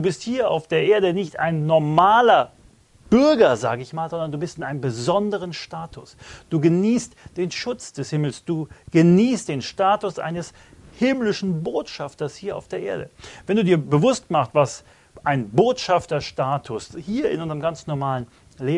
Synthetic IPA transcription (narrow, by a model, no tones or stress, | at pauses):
d̥uːbɪsthiːɐa̰ʊfd̥eːɐʔeːɐɾənɪçtʔa̰ɪnːɔɐmaːlɐ | b̥ʏɐɡɐza̰ːɡəɪçmaːlzɔndɐnduːbɪstɪnʔaɪnəmbəzɔndəʁənʃtaːtʰʊsd̥uːɡəniːstd̥eːnʃʊt͡sd̥ɛshɪml̩sd̥uːɡ̥əniːst̚d̥eːnʃtaːtʊsʔa̰ɪnəs | hɪmlɪʃn̩boːtʃaftɐshiːɐʔa̰ʊfd̥eːɐʔḛːɐɾə̰vɛnduːdiːɐbəvʊstmaχstv̥as | ʔaɪnboːtʃaftɐʃtaːtʰʊshiːɐɪ̰nʔʊnzəʁəmɡant͡snɔɐmaːlən | leː